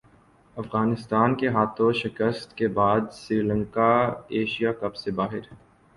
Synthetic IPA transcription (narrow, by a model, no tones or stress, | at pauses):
ɐfɣaːnɪst̪aːnkeɦaːt̪ʰõʃɪkəst̪kebaːd̪sɾiːlə̃ŋkaeːʃijakɐbsebaːɦɪɾ